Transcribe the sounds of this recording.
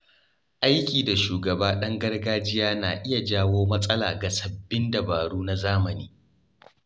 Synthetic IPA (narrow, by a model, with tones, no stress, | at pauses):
ʔa˦jkʲiː˨da˨ʃuː˨ɡɐ˨baː˦ɗɐ˦ŋɡɐ˦rɡaː˦d͡ʒɪ˦jaː˦naː˨ʔɪ˦ja˨d͡ʒaː˦woː˦mɐ˦sʼɐ˦la̰ː˨ɡa˨sɐ˨bːɪ˦ndɐ˨baː˨ɽuː˦na˦zaː˦mɐ˨niː˦